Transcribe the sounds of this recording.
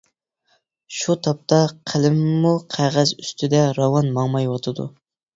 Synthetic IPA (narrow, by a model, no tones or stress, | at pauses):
ʃut̪ʰɑp̚t̪ʰɑqʰəlɪmːuqʰæʁæzyst̪ʰɪd̪ɛɾɑwɑnmɑŋmɑjwɑt̪ʰɨd̪ṵ